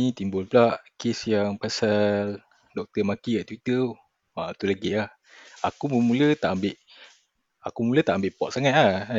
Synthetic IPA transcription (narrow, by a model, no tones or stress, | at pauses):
it̪imbʊlplaʔkesjaŋpasal | dɔk̚t̪əmakiaʔt̪wit̪ə | at̪ulaɡilah | akuməmũlət̪aʔambɪʔ | akumulət̪aʔambɪʔpɔt̪̚saŋat̪̚la